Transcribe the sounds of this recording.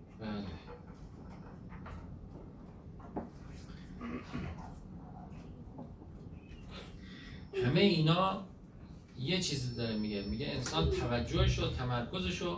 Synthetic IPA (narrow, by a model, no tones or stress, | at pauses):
b̥æːle | hæmejeiːnɒː | je̞t͡ʃʰiːzid̪ɒːɾemiɡænmiɡeensɒːnt̪ʰævæd͡ʒːoheʃot̪ʰæmæɾkʰozeʃo